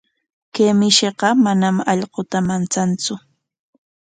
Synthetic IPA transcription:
keːmɪʃeɢɑmanamɑʎɢot̪amant͡sant͡sʊ

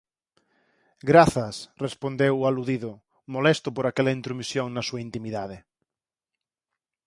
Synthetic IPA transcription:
ɡɾaθɐsrespond̪ewaluðiðʊ | molest̪ʊpoɾakɛlaint̪ɾumisjoŋnɐsuaint̪imiðaðe

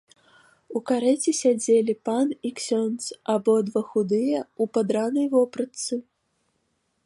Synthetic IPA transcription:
ukaɾɛt͡sʲisʲad͡zʲelʲipaniksʲɔnt̪sabɔd̪vɐxud̪ɨjɛupad̪ɾanɐjvɔpɾɐt̪sɨ

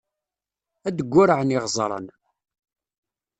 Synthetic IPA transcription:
æd̪əɡʷːʊɾəʕəniʁzˤɾˤə̰n

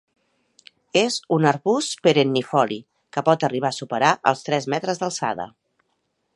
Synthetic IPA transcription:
ezunəɾβuspeɾenːifɔli | kəpɔt̪əriβ̞aəsupəɾaʔə̰lˠst̪ɾɛzmɛt̪ɾəzðəlˠsa̰ðə̰

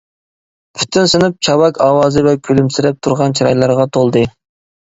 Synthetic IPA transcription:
pʰy̥t̪ʰynsɨnɨp̚t͡ʃʰɑwɑkʰɑːwɑːzɨvɛkʲʰølymsɪɾɛp̚t̪ʰuɾʁɑnt͡ʃʰiɾɑjlˠɑɾʁɑt̪ʰolˠd̪ɨ

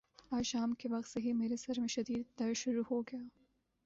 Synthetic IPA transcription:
aːʃɑːmkeʋɐxt̪sɐɦimeːɾesɐɾmeʃɐd̪iːd̪̚ːɐɾʃʊɾuhoɡjaː

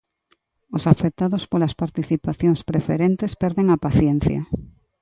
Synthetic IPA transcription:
osafek̚t̪ːaðospolaspaɾt̪iθipaθjoŋspɾefeɾent̪espɛɾðeŋapaθjen̟θja̰

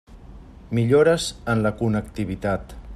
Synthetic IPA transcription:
miʎoɾəzənləkunək̚t̪iβ̞it̪at̪

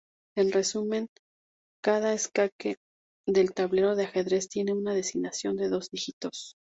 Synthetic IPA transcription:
e̞nre̞sume̞ŋ | kaðaeskake̞ | ðe̞lt̪aβle̞ɾo̞ðeaxe̞ðɾe̞st̪je̞ne̞unaðe̞siɣnasjo̞nd̪e̞ðo̞zdixit̪o̞s

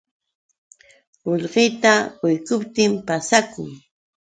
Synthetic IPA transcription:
oʎɢɪjt̪aɢʊjkʊpt̪ɪmpasakʊ̰ŋ

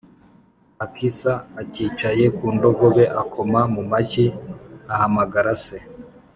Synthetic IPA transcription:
akisaːciːt͡ʃaje̞kuːndo̞ɡo̞βe̞ʔakʰo̞mamumaciahamaɡaɾase

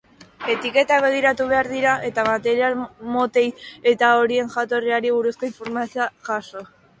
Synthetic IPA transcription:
e̞t̪ike̞t̪aβe̞ɣ̞iɾat̪uβ̞e̞aɾðiɾaʔe̞t̪amat̪e̞ɾialmo̞t̪e̞je̞t̪ao̞ɾie̞ŋʝat̪o̞riaɾiβ̞uɾusko̞iɱfo̞ɾmasioaʝaʃo̞

